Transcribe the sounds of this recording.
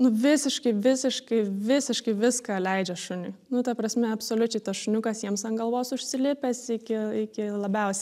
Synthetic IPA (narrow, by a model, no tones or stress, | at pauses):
nʊʋʲɪsʲɪʃkɐɪʋʲɪsʲɪʃkɐɪʋʲɪsʲɪʃkɐɪʋʲɪskɑːlʲɛɪd͡ʒʲɛʃʊnʲʊɪnʊt̪ɐprɐsʲmʲɛɐpsoːlʲʊt͡ʃʲɛɪt̪ɐsʃʊnʲʊkɐsjiɛmsɐnɡɐlˠʋoːsʊʃʲsʲɪlʲɪpʲɛsɪkʲɪɪkʲɪlˠɐbʲɛʊsʲ